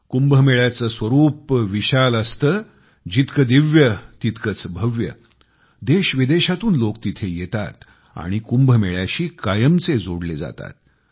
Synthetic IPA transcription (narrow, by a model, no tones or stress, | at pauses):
kumbʱəmeɭjat͡səsʋəɾuːpʋiɕaləst̪əː | d͡ʑit̪kəd̪iʋjət̪it̪kət͡sbʱəʋjə̰ | d̪eɕʋid̪eɕat̪uːnlokt̪it̪ʰejet̪at̪ | a̰ɽ̃ikumbʱəmeɭjaɕiːkajəmt͡sed͡zoɽled͡za̰t̪a̰t̪̚